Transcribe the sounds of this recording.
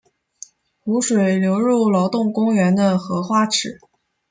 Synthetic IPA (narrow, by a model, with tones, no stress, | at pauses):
xu˧˥ʂwe˨˩ɪljo˧˥ʊɻu˥˩lɑ˧˥ʊt̪ʊ˥˩ŋkʊ˥ŋɥɛ˧˥nd̪ə˧xɤ˧˥xwa˥ʈ͡ʂʰɻ̩˨˩˦